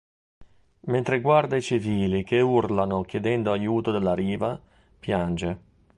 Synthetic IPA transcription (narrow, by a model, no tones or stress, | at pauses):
ment̪ɾeɡward̪ait͡ʃiviːlikeurlanok̟jed̪ɛnd̪oajuːt̪od̪elːaɾiːva | pjand͡ʒe